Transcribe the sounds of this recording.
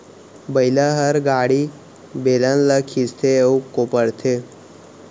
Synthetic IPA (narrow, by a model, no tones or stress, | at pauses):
bəjlaɦəɾɡaɽi | belãnləkʰist̪ʰeukːopəɽt̪ʰe